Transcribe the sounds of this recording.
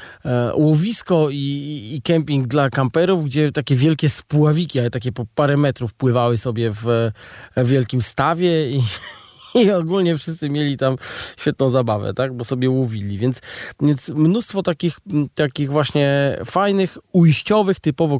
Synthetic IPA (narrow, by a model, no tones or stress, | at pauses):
wɔvʲiskɔiːkɛmpʲiŋɡd̪lakampɛɾuvɡd͡ʑɛt̪akʲɛvʲjɛlkʲɛspuavʲikʲiaɛt̪akʲɛpɔpaɾɛmɛt̪ɾufpwɘvawɘsɔbʲjɛv | vʲjɛlkʲimst̪avʲjɛiː | ɔɡulɲɛfʂɘst̪sɘmʲjɛlʲit̪amɕfʲɛt̪nɔ̃w̃zabavɛ̰t̪aɡ̚bɔsɔbʲjɛwɔvʲilʲivʲjɛnt̪svʲjɛnt̪smnust̪fɔt̪akʲixt̪akʲiɣvwaɕɲɛfajnɘxujɕt͡ɕɔvɘxt̪ɘpɔvɔ